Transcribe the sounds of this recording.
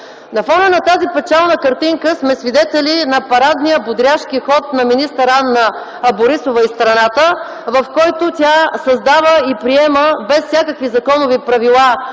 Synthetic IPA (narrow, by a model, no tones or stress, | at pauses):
nɐfɔnənɐt̪azipɛt͡ʃalˠnəkɐɾt̪iŋkəsmɛsvid̪ɛt̪ɛlinɐpɐɾad̪nijəbʊd̪ɾʲaʃkixɔt̪̚nɐminist̪əɾanːɐː | boɾisovəist̪ɾɐnat̪ə | vɐfkɔjt̪ʊt̪ʲasɐzd̪avəipɾiɛməbɛsfsʲjakəkvizɐkɔnʊvipɾɐvilˠa